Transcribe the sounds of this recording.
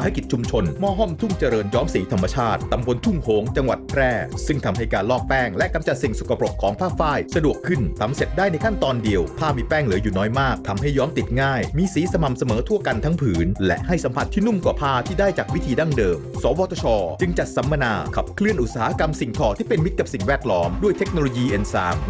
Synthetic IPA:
ha˥˩jki˨˩t̪̚t͡ɕʰu˧mt͡ɕʰo˧nmɔː˥˩ɦɔ˥˩mt̪ʰu˥˩ŋt͡ɕa˧ɾɤː˧njɔː˦˥msiː˨˦t̪ʰa˧mːa˧t͡ɕʰaː˥˩t̪̚ːa˧mbo˧nt̪ʰu˥˩mhoː˩˦ŋt͡ɕa˧ŋwa̰˨˩t̪̚pʰɾɛː˥˩sɯ˥˩ŋt̪ʰa˧mɦa˥˩jkaː˧nlɔː˥˩k̚pɛː˥˩ŋlɛ˦˥ʔka˧mt͡ɕa˨˩t̪̚si˨˩ŋsu˨kʰa˧po˨˩kʰːɔː˩˦ŋpʰaː˥˩k̚faː˥˩jsa˧du˨˩əkʰːɯ˥˩nt̪ʰa˧˦mse˨˩t̪̚daː˥˩jna˧jkʰa˥˩nt̪ɔː˧ndi˧əwpʰaː˥˩miː˧pɛː˥˩ŋlɯː˩˦juː˨˩nɔː˦˥jmaː˥˩k̚t̪ʰa˧mɦa˥˩jːɔː˦˥mt̪i˨˩t̪̚ŋaː˥˩jmiː˧siː˨˦sa˧ma˨˩msa˧mɤː˩˦t̪ʰu˥˩ka˧nt̪ʰa˦˥ŋpʰɯː˩˦nlɛ̰˦˥ʔha˥˩jsa˩˦mpʰa˧˥t̪ʰːiː˥˩nu˥˩mkwaː˨˩pʰaː˧t̪ʰiː˥˩daː˥˩jt͡ɕaː˨˩k̚wi˦˥t̪ʰiː˧da˥˩ŋdɤː˧msɔː˩˦wɔː˧t̪ʰɔ˧t͡ɕʰɔː˧t͡ɕɯ˧ŋt͡ɕa˨˩t̪̚sa˩˦mːa˧naː˧kʰa˨˩p̚kʰlɯ˥˩ənʔu˨˩saː˩˦ha˦˧ka˧msi˨˩ŋt̪ʰɔː˨˩t̪ʰiː˥˩pe˧nmi˦˥t̪̚ka˨˩p̚si˨˩ŋwɛː˥˩t̪̚lɔː˦˥mdu˥˩əjt̪ʰe˦˥k̚no˧loː˧jiː˧ʔe˧nsa̰ː˩˦m

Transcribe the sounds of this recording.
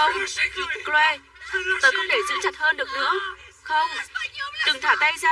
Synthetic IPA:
ŋ͡mklwɛ˧˩ | t̪oː˨˧˦jkwŋ͡mt̪e˧˩zɨ˨˦ŋt͡ɕa˨˩t̚həː˧nɗɨ˨˩ək̚nɨ̰˧˥ə | xə˧wŋ͡mɗ̪ɨ˨˧˩ŋt̪ʰaː˧˩t̪a˧jsaː˧

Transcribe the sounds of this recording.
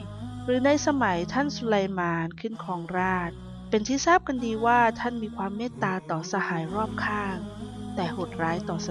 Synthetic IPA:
ɾɯː˩˦na˧jsa˧ma˩˦jt̪ʰa˥˩nsu˧la˧jmaː˧nkʰɯ˥˩nkʰɔː˨˩˦ŋɾaː˥˩t̪̚ | pe˧nt̪ʰiː˥˩saː˥˩p̚ka˧ndiː˧waː˥˩t̪ʰa˥˩˨nmiː˧kʰwaː˧mːɛː˥˩t̪ːaː˧t̪ɔː˨˩sa˧haː˩˦jɾɔː˥˩p̚kʰaː˥˩ŋt̪ɛː˨˩ho˨˩t̪̚ɾaː˨˦˥jt̪ɔː˨˩sa˧

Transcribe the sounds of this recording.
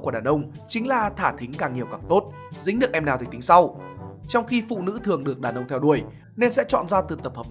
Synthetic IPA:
ku˧˩ɗaː˨˩nʔə˧wŋ͡m | t͡ɕï˨˦ŋ̟laː˨˩t̪ʰaː˧˩t̪ʰï˨˦ŋ̟kaː˨˩ŋːi˨˩əwkaː˨˩ŋt̪o˦˥t̚ | zï˨˦˥ŋ̟ɗɨ˨˩ək̚ʔɛ˧mnaː˨˩wt̪ʰːt̪ï˨˦ŋsa˧wt͡ɕɔ˧wŋ͡mxi˧fṵ˧˨nɨ̰˧˥t̪ʰɨ˨˩əŋɗɨ˨˩ək̚ɗaː˨˩nʔə˧wŋ͡mt̪ʰɛ˧wɗu˧˩əj | ne˧nsɛ̰˧˥t͡ɕɔ̰˧˨nzaː˧t̪ɨ˨˩t̪ə˨˩p̚hə˨˩p̚

